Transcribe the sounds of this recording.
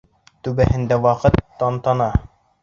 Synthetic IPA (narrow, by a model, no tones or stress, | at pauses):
t̪ʉbæhɘ̆nd̪æwɑqɤt̪ːɑnt̪ɑnɑ